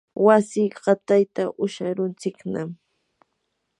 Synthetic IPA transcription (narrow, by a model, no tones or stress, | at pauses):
wasɪɢɑt̪ajt̪aʔʊʃaɾʊnt͡sɪknam